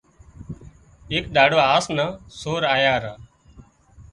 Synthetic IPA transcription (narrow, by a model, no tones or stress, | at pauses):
eːk̚ɗaːɽʋaːaːsnãːsoːɾaːjaːɾaː